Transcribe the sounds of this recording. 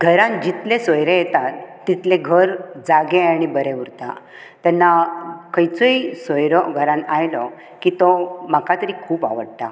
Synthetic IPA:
ɡʱəɾãnd͡ʑit̪lẽsɔjɾejɛt̪at̪ːit̪lẽɡʱəɾd͡zaɡeaɽ̃ibəɾeʋuɾt̪a̰ | t̪anːakəjt͡soisɔjɾɔɡʱəɾãnajlɔ | kit̪ɔmakat̪əɾikʰuːpa̰ʋəɽt̪a̰

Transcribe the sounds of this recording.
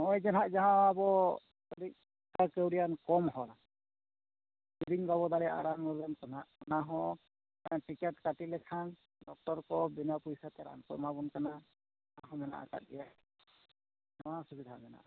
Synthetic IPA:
mɔjzɛnɦaʔzaɦãabɔ | kɔɾik̚ | kakəwɾijankɔmɦɔla | biɾiŋbaβɔd̪aɾɛʔa̰ɾanmɔɡankɔnaʔɔnaɦɔ̃ | tikɛtkatilɛkʰan | dɔk̚tɔɾkɔbinapujsat̪ɛɾa̰nkɔjmabɔnkana | aɦɔ̃mɛna̰ʔa̰ka̰t̚ija | nɔwasubid̪ʱa̰mɛna̰ʔa

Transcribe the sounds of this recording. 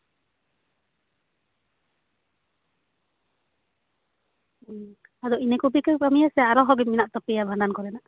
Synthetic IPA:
ad̪ɔinɛkubikɛpamijɛsɛaɾɔɦɔɡiminaʔt̪ɔpijabʱaɳɖankɔɾɛnaʔ

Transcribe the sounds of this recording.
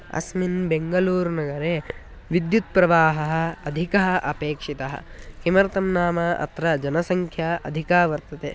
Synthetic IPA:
ɐ̰sminbeŋɡɐluːɾnɐɡɐɾe | ʋid̪jut̪̚pɾɐʋaːɦɐɦɐ̆ɐd̪ʱikɐɦɐʔɐpeːkʂit̪ɐɦɐ̰̆kimɐɾt̪ɐmnaːmɐʔɐ̰t̪ɾɐd͡ʒɐnɐsɐŋkʰjaʔɐ̰d̪ʱikaːʋɐɾt̪ɐt̪e

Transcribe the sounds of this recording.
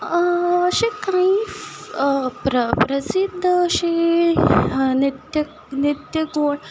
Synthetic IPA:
əɕekai | pɾəpɾəsid̪ʱːəːɕe | nit̪jə | nit̪jəɡoɽ

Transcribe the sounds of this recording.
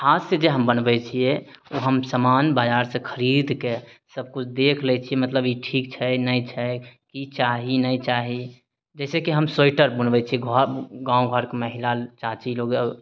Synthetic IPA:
kʰased͡ʒeɦəmbənbɛt͡ʃʰiɛ | oɦəmsəmanbad͡ʒaɾsẽkʰəɾid̪kesəb̚kut͡ʃʰd̪ekʰlɛt͡ʃʰiemət̪ləbiʈʰik̚t͡ʃʰɛnəit͡ʃʰɛkit͡ʃaɦinəit͡ʃaɦi | d͡ʒɛːsekiɦəmsojʈəɾbunbɛt͡ʃʰiɛɡʱɔɡãːũɡʱɔɾkeməɦilalt͡ʃat͡ʃiloɡə

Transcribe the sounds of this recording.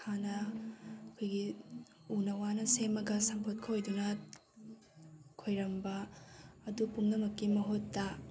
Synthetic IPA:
anɐɐkʰojɡi | unɐwanɐsemɐɡɐsɐmpʰot̚kʰojdunɐ | kʰojɾɐmbɐː | dupuŋnɐmɐkːimɐɦotːa

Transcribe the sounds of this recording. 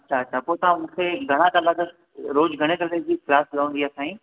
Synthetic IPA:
ɐtɕʰaɐtːʃʰapoːt̪ɐãmũːkʰeɡʱɐɽ̃ãkalaɡə | ɾoːd͡ʑɡʱɐɽ̃ẽkɐled͡ʑiklaːslaʋə̃nd̪iaːsãːĩ

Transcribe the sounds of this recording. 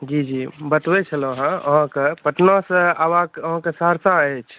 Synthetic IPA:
d͡ʒid͡ʒibət̪wet͡ʃʰəloɦãəɦãkepəʈnɔsəabãəɦãkesaɾsaet͡ʃʰ

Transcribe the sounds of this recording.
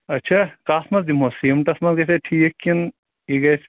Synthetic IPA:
ɐtːt͡ʃʰakasmɐzd̪imosimʈɐsmɐzɡɐseʈʰikːin | iɡɐjt͡ʃʰ

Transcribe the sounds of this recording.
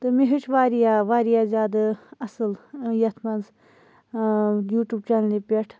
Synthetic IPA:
t̪ɨmĩɦut͡ʃʰʋaːɾijaʋaːɾijaːzjaːd̪aɐsɨljɐt̪ʰmɐz | juːʈuːb̚t͡ʃaːnlipʲeʈʰ

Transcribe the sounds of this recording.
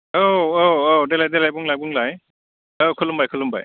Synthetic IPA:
ooodelajdelajbuŋlajbuŋlaj | okʰulumbajkʰɯlumba̰j

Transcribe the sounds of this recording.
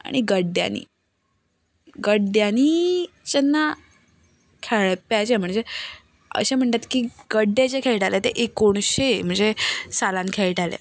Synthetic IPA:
a̰ɽ̃iɡəɖja̰nḭː | ɡəɖjani | t͡ɕenːa | kʰeɭpjat͡ɕem̤əɳd͡ze | ə̰ɕẽm̤əɳt̪at̪kiːɡ̥əɖːet͡ɕekʰeɭʈalet̪eʔekoɳ̃ɕem̤əɳd͡zesalankʰeɭʈalḛ

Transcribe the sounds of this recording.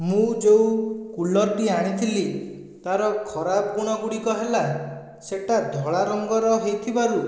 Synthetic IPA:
mũd͡ʒewkulɔɾʈiaɽ̃it̪ʰili | t̪aɾɔkʰɔɾabɔɡuɽ̃ɔɡuɽikɔɦela | seʈad̪ʱɔɭaɾɔŋɡɔɾɔɦejt̪ʰibaɾu

